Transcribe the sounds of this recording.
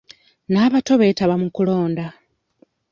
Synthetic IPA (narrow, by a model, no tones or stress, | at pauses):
naːβato̞βe̞ːtaβamukulo̞ːnda